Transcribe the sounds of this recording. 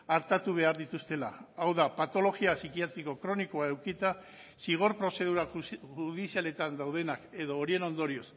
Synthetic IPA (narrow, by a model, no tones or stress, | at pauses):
aɾt̪at̪uβ̞e̞aɾðit̪ust̪e̞la̰ːwðapat̪o̞lo̞ɣiasikiat̪ɾiko̞kɾo̞nikoae̞wkit̪a | siɣ̞o̞ɾpɾo̞se̞ð̞uɾaʝuuðisiale̞t̪and̪awð̞e̞nake̞ðo̞ːɾie̞no̞nd̪o̞ɾio̞s